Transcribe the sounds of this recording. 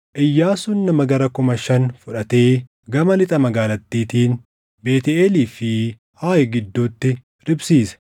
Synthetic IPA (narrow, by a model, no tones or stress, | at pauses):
ʔɪjːaːsʊnːɐmɐɡɐɾɐkʊmɐʃɐnfʊᶑɐt̪e̞ː | ɡɐmɐlɪt̪ʼɐmɐɡaːlɐt̪ːiːt̪iːn | be̞ːt̪eeːliːfɪ | haːjɛɡɪd̪ːuːt̪ːɪ | ɾɪbsiːsɐ̥